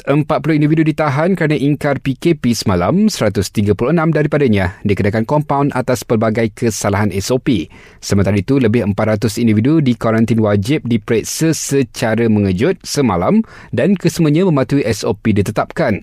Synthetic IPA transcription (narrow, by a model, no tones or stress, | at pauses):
əmpat̪̚pulʊhindividudit̪aɦankəɾənãʔiŋkarpikepisəmãlamsəɾat̪ʊst̪iɡapuluənãmdaɾipadaɲãdikənakankɔmpawna̰t̪aspərbaɡajkʰəsalaɦanɛsopi | səmənt̪aɾait̪uləbɪhəmpat̪̚ɾat̪ʊsindividudikaɾant̪inwad͡ʒɪp̚dipɾɛt̪̚səsət͡ʃaɾəmə̃ŋə̃d͡ʒʊt̪̚səmalam | dankəsəmũəɲãmə̃mãt̪uiʔɛsopidit̪ət̪ap̚kan